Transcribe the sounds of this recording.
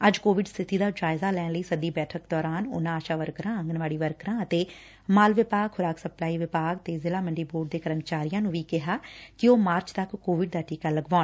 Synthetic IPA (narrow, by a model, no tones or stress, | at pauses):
əd͡ʒkoːʋɪɖst̪ʰɪt̪iːd̪aːd͡ʒaːɪzaːlɛːnləiːsəd̪iːbɛːʈʰəkd̪ɔːɾaːnʊ̰nãːaːʃaːʋəɾkɾãːəŋɡənʋaːɽiːʋəɾkɾãːət̪eː | maːlʋɪpaːɡxʊɾaːksəplaːiːʋɪpaːɡ̚t̪eːzɪlaːməɳɖiːboːɖ̚d̪eːkəɾəmt͡ʃaːɾijãːnũːʋiːkɪɦaːkɪoːmaːɾt͡ʃt̪əkːoːʋɪɖd̪aːʈiːkaːləɡʋaːn